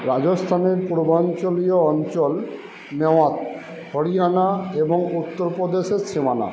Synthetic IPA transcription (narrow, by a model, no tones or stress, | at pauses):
ɾad͡ʑost̪ʰaneɾpuɾbant͡ɕolioɔnt͡ɕol | neoat̪̚ | hoɾijanaeboŋut̪ːoɾpɾod̪eʃeɾsimana̰